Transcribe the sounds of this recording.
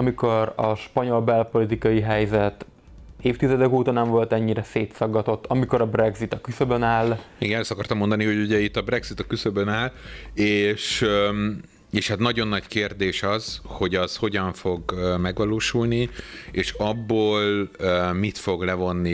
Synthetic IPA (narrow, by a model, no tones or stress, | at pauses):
ɒmiko̞ɾɒʃpɒɲo̞lbɛlpo̞lit̪ikɒjiɦɛjzɛt̪ | eːft̪izɛd̪ɛkuːt̪ɒnɛɱvolt̪ɛɲːiɾɛseːt̪sɒɡːɒt̪o̞t̪ːɒmiko̞ɾɒbrɛɡzit̪ɒkysøbønaːlmeiɡɛlsɒkɒrt̪ɒmːo̞nd̪ɒniɦo̞ɟuɟɛit̪ːɒbɾɛɡzit̪ɒkysøbønaːleːʃ | eːʃhat̪nɒɟo̞nːɒɟkeːrd̪eːʃɒz̥ho̞ɟɒz̥ho̞ɟɒɱfo̞ɡmɛɡʋɒloːʃulnieːʃɒbːoːlmit̪fo̞ɡlɛvo̞nːi